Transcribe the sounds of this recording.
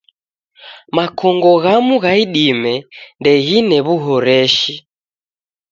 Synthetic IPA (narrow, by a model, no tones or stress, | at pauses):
makʰɔŋɡɔɣamuɣaiɗimɛndɛɣinɛβuɦɔɾɛʃi